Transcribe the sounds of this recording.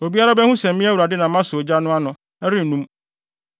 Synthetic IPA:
o˨bi˦a˦ɾa˦bɛ˦hũ˦sɛ̃˨m̩˨mĩ˦æ˦wu˨ɾa˨dɪ˦nã˨˦ã˦sʊ˨o˨d͡ʑa˦nʊ̃˦a˦nʊ̃˨ | ɛ˦ɾɪ˦n̩˨nũ˦m

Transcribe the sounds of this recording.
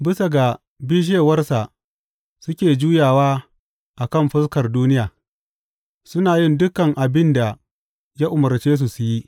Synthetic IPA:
bɪ˦sa˨ɡa˨ | biː˦ʃ̬eː˦˨wɐ˦rsa˨ʔ | sʊ˦kʲeː˨d͡ʒuː˦jaː˨waː˦ | ʔa˨kɐ˦˨mɸɪ˦skɐ˨rduː˦nɪ˦jaː˨ | sʊ˦naː˨jɪ˦ndʊ˦kːɐ˨ŋʔa˨bɪ˦nda˨ | ja˦ʔʊ˨mʊ˨rt͡ʃeː˦s̬u˨su˨ji˦ʔ

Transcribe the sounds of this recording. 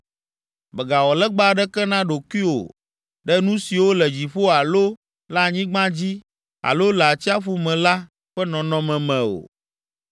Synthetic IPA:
bɛ˨ɡa˨wɔ˨lɛ˦ɡ͡ba˦ɖɛ˦kɛ˦nã˦ɖo˨ki˦o̰˨ | ɖɛ˦nũ˦si˨wo˦lɛ˨d͡ʑi˨ɸo˦a˨lo˦ | la˦˨ɲĩ˦ɡ͡bã˦d͡ʑi˦ | a̰˨lo˦lɛ˨a˨t͡ɕi˦a˦ɸu˦mɛ̃˨la˦ | ɸɛ˦nɔ̃˨nɔ̃˦mɛ̃˨mɛ̃˨o̰˨

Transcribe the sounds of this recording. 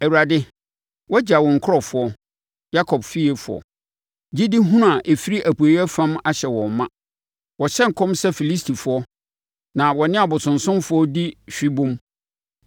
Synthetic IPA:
ɛ˨wu˨ɾa˨dɪ˦ | wɔ˦d͡ʑa˨wɔ˨ŋ̩˨kʰɾɔ˨fʊ˨ɔ˦ | ja˦kʰɔ˨bfi˦e˨fʊ̰˨ɔ̰˨ | d͡ʑi˦di˦ɦũ˦nʊ̃˦a˨ʔe˨fi˦ɾi˦ʔæ˨pu˨e˨jɛ˦fã˦ma˦ɕɛ˨wɔ̃˨m˨mːã˦ | wɔ˨ɕɛ˦ŋ̩˨kʰɔ̃˦msɛ˦fi˨li˦stʰi˨fʊ˨˦ɔ˦ | nã˨wɔ˨nɪ̃˦a˨bʊ˨sʊ̃˨nsʊ̃˦mfʊ˨˦ɔ˦di˦ɕᶣi˦bʊ̃˦m

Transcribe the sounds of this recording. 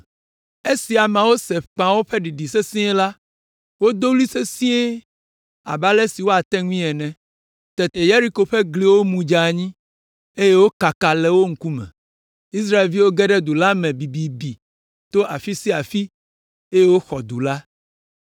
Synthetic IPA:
e˦si˨a˨mã˨wo˦se˨fk͡pã˨wo˦ɸe˦ɖi˨ɖi˨se˦sĩ˦ɛ̃˦la˦ | wo˦d̪o˦li˦se˦sĩ˦e˦ | a̰˨ba˦lɛ˦si˨wo˦a˨t̪ɛ˦ŋũ˦ĩ˦ɛ˨nɛ̃˨ | t̪ɛ˨t̪e˨je˦ɾi˦ko˨ɸe˦ɡli˦wo˦mũ˨d͡ʒa˨ɲĩ˦ | e˦je˦wo˦ka˨ka˨lɛ˨wo˦ŋ̩˦ku˦mɛ̰̃˨ | i˦s̬ɾa˦e˨lvi˦wo˦ɡɛ˦ɖɛ˦d̪u˨la˦mɛ̃˨bi˨bi˨bi˨ | t̪o˦ʔa˨fi˦si˦a˨fi˦ | e˦je˦wo˦xɔ˨d̪u˨la˦

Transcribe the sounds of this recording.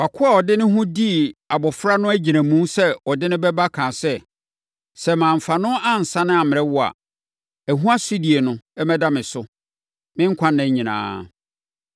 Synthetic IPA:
wa˨kʰʊ˦a˨ɔ˨dɪ˦nɪ̃˦ɦʊ̃˦di˦˨a˨bɔ˨fɾa˦nʊ̃˦æ˦d͡ʑi˨nã˨mũ˦sɛ˦ɔ˨dɪ˦nɪ̃˦bɛ˦ba˦kʰãː˨sɛ˦˨ | sɛ˦˨mãː˨m̩˨fa˨nʊ̃˦ʔa˦n̩˨sã˦nɪ̃˦a˨mɪ̃˨ɛ˦wʊ˦a̰˨ | æ˨ɦũ˦a˦si˦di˨e˨nʊ̃˦ɛ˦mɛ̃˦da˦mɪ̃˨sʊ˦ | mɪ̃˦ŋ̩˦kʷʰã˦nːã˨˦ɲĩ˨nã̰ː˨˦

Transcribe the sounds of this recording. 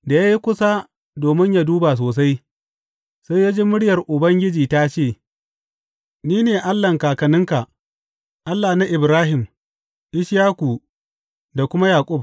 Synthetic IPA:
da˨ja˦ji˦kʷʊ˦sa˦ | doː˨mɪ˦ɲja˦duː˦ba˨s̬oː˨s̬a˦j | sa˦ja˦d͡ʒeː˦mʊ˦ɽɪ˦jɐ˨rʔʊ˨bɐ˦ŋɡʲɪ˦d͡ʒiː˨ta˦t͡ʃeː˦˨ | niː˦neː˨ʔa˦lːɐ˨ŋkaː˨kɐ˨nɪ˦ŋka˨ | ʔa˦lːaː˨na˦ʔɪ˨bɾaː˦ɦɪ˨m | ʔɪ˦ʃjaː˦kʷu˨ | da˨kʷʊ˦ma˦jaː˨kʷʼʊ˦b̚

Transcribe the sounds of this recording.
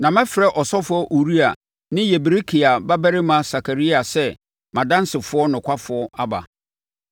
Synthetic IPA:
nã˨mɛ̃˦fɪ˨ɾɛ˦ʔɔ˨sɔ˦fʊ˦ɔ˦ʔu˨ɾi˦a˨ | nɪ̃˦jɛ˨bɾe˦kʰi˨a˨ba˦bæ˦ɾɪ˦mã˦sa˨kʰa˨ɾi˦a˨sɛ˦ | mã˨dã˦n˦sɪ˨fʊ˨˦ɔ˦nʊ̃˨kʰʷa˦fʊ˨ɔ˦a˦ba̰˨

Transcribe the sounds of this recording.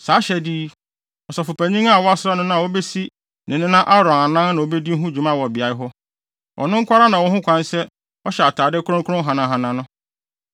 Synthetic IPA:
saː˨˦ɕɛ˨di˦ | ɔ˨sa˨fʊ˨pʰæ˨ɲĩ˦ŋa˦˨wɔ˦a˦sɾa˦nʊ̃˦nã˦a˨wo˦bɛ˦si˦ | nʔɪ̃˨nɪ̃˦nã˦ʔa˦ɾɔ̃˨na˨nã˦n˦nã˨wo˨˦bɛ˦di˦ɦũ˦d͡ʑᶣu˨mã˦wɔ˨bɪ˨a˨ɪ˦ɦɔ˦ | ʔɔ̰˨nʊ̃˦ŋ̩˦kʰʷa˦ɾa˦nã˨wɔ˦hʊ̃˦kʷʰã˦nsɛ˦ | ɔ˦ɕɛ˨a˨tʰaː˨dɛ˦kʰʊ˦ɾʊ̃˦kʰʊ˦ɾʊ̃˦ɦã˨nã˨ɦã˨nã˨nʊ̃˦

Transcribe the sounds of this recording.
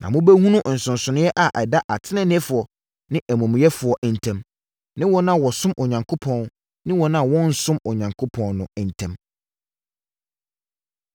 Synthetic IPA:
nã̰˨mʊ̃˦bæ˦hũ˦nʊ̃˦˨n̩˨sʊ̃˨n̩˨sʊ˨nɪ̃˦jɛ˦ʔa˨ʔɛ˨da˦ʔa˨tʰɪ˦nɪ̃˦nɪ̃˦fʊ˨ɔ˨ | nɪ̃˦ʔæ˨mũ˨m̃˨jɛ˦fʊ˨ɔ˨ʔn̩˨tʰɛ̃˦m | nɪ̃˦wɔ˦nã˦˨wɔ˨sʊ̃˦mʔo˨ɲã˨ŋkʰo˦pʰɔ̃˦˨n | nɪ̃˦wɔ̃˨nã˦˨wɔ̃˦n̩˦sʊ̃˦mo˨ɲã˨ŋkʰo˦pʰɔ̃˦nnʊ̃˨ɛ˨n̩˨tʰɛ̃˦m

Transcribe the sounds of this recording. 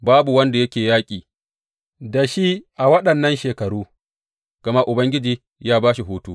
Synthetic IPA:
baː˦bu˨wɐ˦nda˨jɐ˦kʲeː˨jaː˦kʲʼiː˨ | da˨ʃi˦ʔa˨wɐ˦ɗɐ˨nːɐ˦nʃeː˨kɐ˨ɽuː˦ | ɡ̥ɐ˨ma˦ʔʊ˨bɐ˦ŋɡʲɪ˦d͡ʒiː˦ | jaː˦baː˦ʃi˨ɦuː˦tuː˦

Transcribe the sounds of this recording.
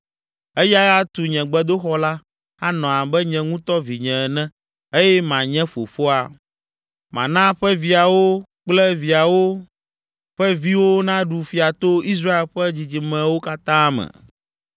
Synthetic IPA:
e˦ja˦a˦t̪u˨ɲɛ̃˨ɡ͡bɛ˦d̪o˦xɔ˦la˦ | a˦nɔ̃˨a˨bɛ˦ɲɛ̃˨ŋũ˦t̪ɔ˦vi˨ɲɛ̃˨ɛ˨nɛ̃˦ | e˦jɛ˦mã˨ɲɛ̃˦fo˨fo˦a˨ | mã̰˨nã˦ɸɛ˦vi˨a˨wo˦k͡plɛ˦vi˨a˨wo˦ | ɸɛ˦vi˦wo˦nã˦ɖu˨fi˨a˨t̪o˦i˦s̬ɾa˦e˨lɸɛ˦d͡ʑi˨d͡ʑi˨mɛ̃˨wo˦ka˦t̪ã˦mɛ̰̃˨

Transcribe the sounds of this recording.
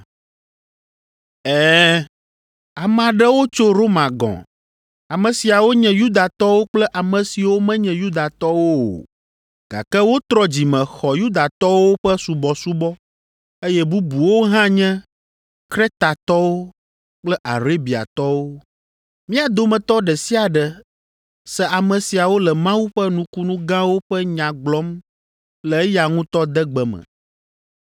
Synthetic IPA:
ɛ˦ | a˨mã˨ɖɛ˦wo˦t͡ʃo˦ɾo˦mã˨ɡɔ̰̃˨ | a˨mɛ̃˨si˨a˨wo˦ɲɛ̃˨ju˦d̪a˨t̪ɔ˦wo˦k͡plɛ˦ʔa˨mɛ̃˨si˨wo˦mɛ̃˦ɲɛ̃˨ju˦d̪a˨t̪ɔ˦wo˦o̰˨ | ɡ̥a̰˨kɛ˦wo˦t̪ɾɔ˦d͡ʑi˨mɛ̃˨xɔ˨ju˦d̪a˨t̪ɔ˦wo˦ɸɛ˦su˨bɔ˨su˦bɔ˦ | e˦jɛ˦bu˦bu˨wo˦ɦã˦ɲɛ̃˦ | kɾe˦t̪a˨t̪ɔ˦wo˦ | k͡plɛ˦ʔa̰˨ɾe˦bi˨a̰˨t̪ɔ˦wo˦ | mĩ˦a˨d̪o˨mɛ̃˨t̪ɔ˦ɖɛ˨si˦a˨ɖɛ˨ | sɛ˨a˨mɛ̃˨si˨a˨wo˦lɛ˨mã˦wu˦ɸɛ˦nũ˦ku˦nũ˦ɡã˦wo˦ɸɛ˦ɲã˨ɡ͡blɔ˦m | lɛ˨e˦ja˨ŋũ˦t̪ɔ˦d̪ɛ˦ɡ͡bɛ˨mɛ̰̃˨

